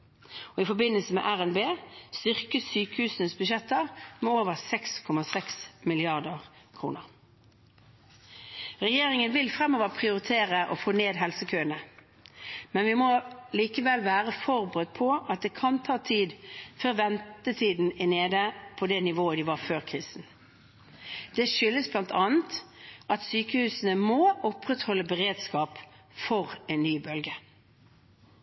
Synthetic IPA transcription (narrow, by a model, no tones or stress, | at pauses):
ɔɪfɔbɪnəlsəmɛ̰ːʔæʁɛnbeːst̪ʏʁkəsyːkəhʉːsənəsbʉʃ̬ɛt̪ːəʁmɛoːʋəʁsɛkskʰɔmɑsɛksmɪlɪɑʁd̪əʁ | kʰʁṵːnəʁ | ʁɛjeːʁɪŋənʋɪlfʁɛmoːʋəʁpʰʁɪʊʁɪt̪ʰeːʁəʔɔ̰foːneːd̪ɦɛlsəkʰøːənə | mɛnʋɪmɔliːkəʋɛlʋæːʁəfɔʁbəʁət̪̚pʰɔʔɑt̪̚d̪ɛkʰɑnt̪ʰɑːt̪ʰiːd̪føʁʋɛnt̪ət̪ʰiːd̪n̩ɪneːd̪əpʰɔd̪ɛnɪʋoːəd̪ɪʋɑʁføːʁkʰʁiːsn̩ | d̪̥ɛʃʏlːəsblɑnt̪ʰɑːnt̪ʔɑt̪syːkəhʉːsən̩əmoːʔɔpʁɛt̪hɔlːəbəʁeːd̪skɑːp | fɔʁɛnnːyːbœlɡə